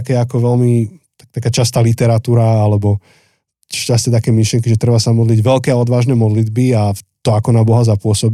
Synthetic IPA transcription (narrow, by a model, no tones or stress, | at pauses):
akɛːakɔʋɛlmit̪akt̪akaːt͡ʃast̪aːlit̪ɛɾat̪uːɾaalɛbɔ | ʃcast̪ɛt̪akɛːmiʃlɪɛŋkiʒɛt̪ɾɛbasamɔd̪liɟʋɛlkɛːaɔd̪ʋaːʒnɛːmɔd̪lid̪biat̪ɔakɔnabɔɦazapʊɔsɔb